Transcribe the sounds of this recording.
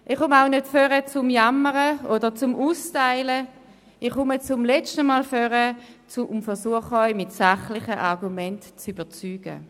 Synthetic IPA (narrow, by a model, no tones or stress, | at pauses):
ʔiχʊmaʊnødføʁət͡sʊmjamːəʁəodəʁt͡sʊmʔuːstaɪlə | iχʊmət͡sʊmlɛt͡ʃtəmaːlføʁət͡sʊʔmfɛʁsuəχəɔʏmɪtsaχlɪχəʔaʁɡumɛntt͡syb̥ət͡syːɡ̥ə̰